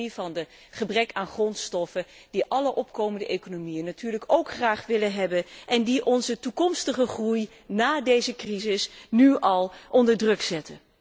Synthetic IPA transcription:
ivɑndə | χəbrɛkaːnχrɔntstɔfə | d̥iʔɑləʔɔpkowməndəʔekonomijənːatyːɹləkowkχraːχʋɪlənɦɛbənʔɛndiʔɔnzətukɔmstəχəχruj | naːdejzəkrizɪsnyʔɑlˠʔɔndəɹdrɵksɛtə

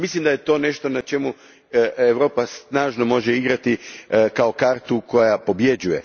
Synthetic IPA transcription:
mislimd̪aje̞t̪o̞ne̞ʃt̪o̞nat͡ʃe̞mu | eʋɾo̞ːpasnaːʒno̞mo̞ʒeiɡɾat̪ikao̞kaːɾt̪uko̞japo̞bje̞d͡ʑuje̞̰

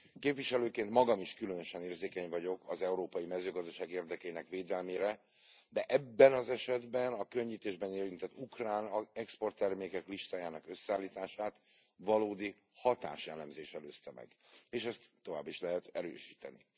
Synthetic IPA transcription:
keːpviʃɛløːkeːnt̪mɒɡɒmiʃkylønøʃɛneːrzeːkɛɲvɒɟo̞kʰɒzɛuɾoːpɒjimɛzøːɡɒzd̪ɒʃaːɡeːrd̪ɛkɛjinɛkveːd̪ɛlmeːɾɛ | d̪ɛʔɛbːɛnɒzɛʃɛd̪bɛnɒkø̞ɲːit̪eːʒbɛneːɾint̪ɛt̪ːukraːnɛkspo̞rt̪ːɛrmeːkɛkliʃt̪aːjaːnɒkøsːɛaːlːiːt̪aːʃaːt̪vɒloːd̪i | hɒt̪a̰ːʃjɛlɛmzeːʃɛløːst̪ɛmɛ̰ɡeːʃɛst̪ːo̞va̰ːbːiʃlɛɦɛt̪ɛɾø̰ːʃiːt̪ɛ̰nḭ

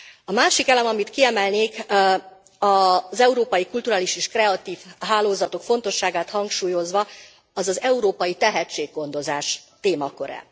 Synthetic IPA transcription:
ɒmaːʃikɛlɛmɒmit̪kiɛmɛlneːk | ɒzɛuɾoːpɒjikult̪uɾaːliʃeːʃkrɛɒt̪iːfɦaːloːzɒt̪o̞kfo̞n̪t̪o̞ʃːaːɡaːt̪hɒŋkʃuːjo̞zʋɒ | ɒzɒzɛuɾoːpɒjit̪ɛɦɛt͡ʃːeːɡ̚ɡo̞nd̪o̞zaːʃt̪eːmɒkø̞ɾɛ̰

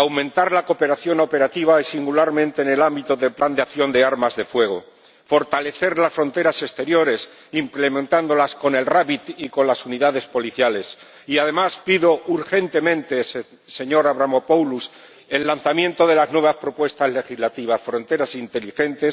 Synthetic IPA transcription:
awmẽ̞nt̪aɾlako̞pe̞ɾaθjo̞nope̞ɾat̪iβ̞aisiŋɡulaɾmẽnt̪e̞ːne̞lambit̪o̞ðe̞lpland̪eakθjo̞nd̪e̞aɾmazðe̞fwe̞ɣ̞o̞ | fo̞ɾt̪ale̞θe̞ɾlasfɾo̞nt̪e̞ɾase̞st̪e̞ɾjo̞ɾe̞s | imple̞mẽnt̪and̪o̞lasko̞ne̞lraβit̪iko̞nlasuniðaðe̞spo̞liθjale̞s | iað̞e̞maspiðo̞ʔuɾxe̞nt̪e̞mẽ̞nt̪e̞s | se̞ɲo̞ɾaβɾamopowlus | e̞lːanθamjẽ̞nt̪o̞ðe̞laznweβ̞aspɾo̞pwe̞st̪azle̞xizlat̪iβ̞asfɾo̞nt̪e̞ɾasint̪e̞lixe̞nt̪e̞s

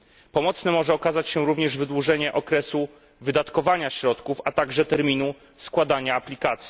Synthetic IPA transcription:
pɔmɔt̪snɛmɔʐɛɔkazat͡ɕɕɛɾuvɲɛʐvɘd̪wuʐɛɲɛʔɔkɾɛsu | vɘd̪at̪kɔvaɲaɕɾɔt̪kufat̪aɡʐɛt̪ɛɾmʲinu | skwad̪aɲaːplʲikat̪sʲji

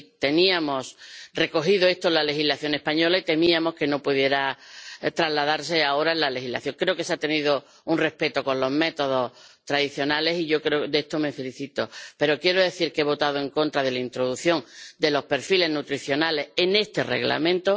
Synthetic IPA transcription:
t̪e̞niamo̞sre̞ko̞xiðoe̞st̪onlale̞xilaθjo̞ŋe̞hpaɲo̞lait̪e̞miamo̞ske̞no̞puðje̞ɾat̪ɾazlaðaɾse̞ao̞ɾaelale̞xila̰θjo̞ŋkɾe̞oke̞seat̪e̞niðo | unre̞hpe̞t̪oko̞nlo̞ɦme̞t̪o̞ð̞o̞t̪ɾaðiθjo̞nale̞siʝo̞kɾeod̪est̪o̞me̞fe̞liθit̪ope̞ɾo̞kje̞ɾoðe̞θiɾkeeβ̞o̞t̪aðoe̞ŋkõ̞nt̪ɾaðe̞laint̪ɾo̞ðuθjo̞ŋd̪e̞lo̞hpe̞ɾfile̞znut̪ɾiθjo̞nale̞sene̞st̪e̞rḛɣla̰mẽnt̪o

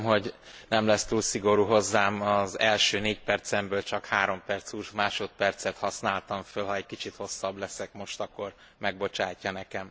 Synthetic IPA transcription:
mɦo̞ɟ | nɛmlɛst̪uːlsiɡo̞ɾuːɦo̞zːaːmɒzɛlʃøːneːcpɛrt̪sɛmbøːlt͡ʃɒkhaːɾo̞mpɛrt̪suːʃmaːʃo̞t̪̚pɛrt̪sɛt̪hɒsnaːlt̪ɒɱfølɦɒɛɟ̚kit͡ʃit̪ho̞sːɒblɛsɛkmo̞ʃt̪ɒkːo̞r | mɛɡ̚bo̞t͡ʃaːcːɒnɛkɛm

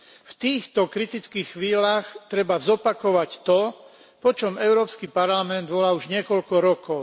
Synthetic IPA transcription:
ft̪iːxt̪ɔkɾit̪it͡skiːxxʋiːlaːxt̪ɾɛbazɔpakɔʋact̪ɔ | pɔt͡ʃɔmɛʊɾɔːpskipaɾlamɛnd̪ʋɔlauʒɲɪɛkɔʎkɔɾɔkɔʊ

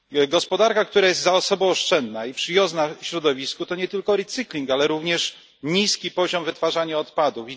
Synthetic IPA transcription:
ɡɔspɔd̪aɾkakt̪uɾajɛst̪zaɔsɔbɔ̃w̃ɔʂt͡ʂɛnd̪naipʂɘjɔznaɕɾɔd̪ɔvʲiskut̪ɔɲɛt̪ɘlkɔɾɛt̪sɘklʲiŋkalɛɾuvɲɛʂ | ɲiskʲipɔʑɔmvɘt̪faʐaɲaɔt̪pad̪ufi

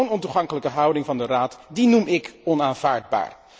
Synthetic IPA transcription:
wnɔntuχɑŋkələkəɦʌwdɪŋvɑndəraːtdinumɪkɔnaːnv̥aːɹdba̰ːɹ

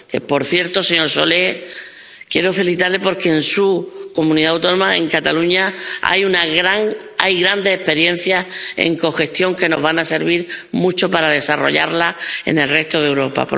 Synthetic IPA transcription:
kepo̞ɾθje̞ɾt̪o̞seɲoɾso̞le | kje̞ɾofelθit̪aɾle̞po̞ɾkeːnsuko̞mũniðaːwt̪o̞nomaḛŋkat̪aluɲaa̰junaɣɾaŋ | ajɣɾand̪eehpe̞ɾje̞n̟θjaḛŋko̞xe̞st̪jo̞ŋke̞no̞zβanase̞ɾβiɾmũt͡ʃo̞paɾaðe̞saro̞̰ʎa̰ɾlae̞̰ne̞lre̞st̪o̞ðewɾo̞pa̰po

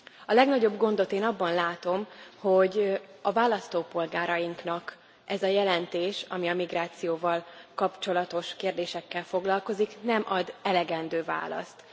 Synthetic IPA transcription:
ɒlɛɡnɒɟo̞bɡo̞nd̪o̞t̪eːnɒbːɒnlaːt̪o̞mho̞ɟɒvaːlɒst̪oːpo̞lɡaːɾɒjiŋknɒk | ʔɛzɒjɛlɛnt̪eːʃɒmiɒmiɡraːt̪sijoːvɒlkɒpt͡ʃo̞lɒt̪o̞ʃkeːrd̪eːʃɛkːɛlfo̞ɡlɒlko̞ziknɛmʔɒd̪ɛlɛɡɛnd̪øːva̰ːlɒ̰st̪

